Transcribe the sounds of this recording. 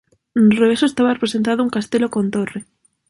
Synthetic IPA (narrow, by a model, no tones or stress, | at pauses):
nreesoest̪aβarepɾesent̪̬aðʊuŋkast̪elokont̪ore